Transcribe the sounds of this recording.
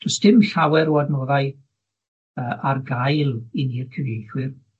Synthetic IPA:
dɔsd̥ɪmɬawɛɾɔadnoːðaj | əːʔarɡajlˠiniːrkʰəvejɬwɪr

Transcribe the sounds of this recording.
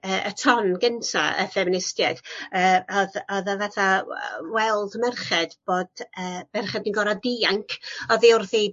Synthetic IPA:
əːʔətʰɔnɡəntʰa̰ə̰fɛmɪnɪstjɛd̥əːɔðɔðəvaθawɛlˠdmɛrχɛd̥b̥oːd̥əːmɛrχɛdninɡɔɾadiːaŋkʰɔðiʊrði

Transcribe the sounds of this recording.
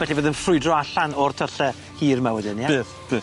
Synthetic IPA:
bɛɬivoːðənfrʊɨdrɔaɬanɔrtʰəɬɛ | hiːrmawədɪnjeːθb̥eː

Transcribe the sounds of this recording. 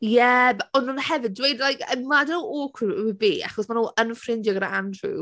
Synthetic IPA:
jɛbɔnunhɛvɨd̚dwejdlajkʰəmadɪnuokʰwɪbiːa̰χɔsmanuːʔənfrɪndjɔɡəɾaandrṵ

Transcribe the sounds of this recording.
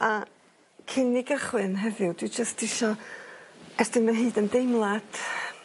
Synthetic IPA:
a | kʰɪnɪɡəχwɨnɦɛðɨwd̥wɪd͡ʒəstɪʃɔ | ɛrdɪŋmɛnɦɨːdəndejmlˠad

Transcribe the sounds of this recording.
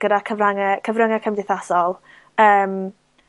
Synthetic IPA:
ɡ̥ədakʰəvraŋəkʰəvrəŋakʰəmdɪθasɔlˠ | əːm

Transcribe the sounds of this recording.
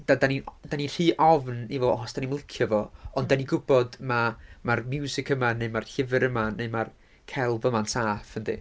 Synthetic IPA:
d̥adanindaninr̥iːʔɔvnivɔɔsd̥animlˠɪkʰjɔvɔɔndaniɡʊbɔdmamarmjuːzɪkʰəmanːejmarɬɪvɨɾəmaneɨmar | kʰɛlˠvəmansaːfəndḭ

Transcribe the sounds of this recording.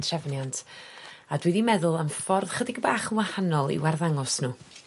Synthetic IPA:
tʰrɛvnjantʰadwɪðimɛðʊlˠəmfɔrð̥χədɪɡbaːχənwahanɔlˠḭwarðaŋɔsnuː

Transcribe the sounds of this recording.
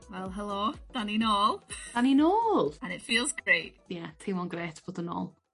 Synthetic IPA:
wɛlˠɦəlˠod̥aninoːl̥ˠaninoːlˠənɪtfiːlˠzɡɹejt̚ | jɛtʰɪmɔnɡreːtʰb̥oːdəno̰ːlˠ

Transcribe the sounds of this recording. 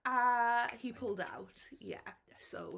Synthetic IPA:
ahipʰʊlˠda̰wtjɛ̰ | so̰ʊ

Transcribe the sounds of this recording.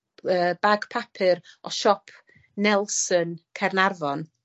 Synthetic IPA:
əːbaɡ̥pʰapʰɪɾɔʃɔpʰ | nɛlˠsənkʰɛrnarvɔn

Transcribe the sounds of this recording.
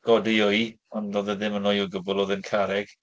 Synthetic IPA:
ɡ̥ɔdɪʊj | ɔndɔðəðɪmənɔjuɡəbʊlˠoːðənkʰaɾɛɡ̥

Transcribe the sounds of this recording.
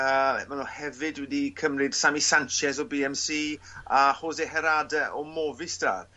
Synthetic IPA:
əːmanuhɛvɨdwɛdikʰəmrɨd̥samisant͡ʃɛzɔbiːɛmsiː | ahoːseɦɛɾadɛʔɔmɔvɪsd̥a̰r

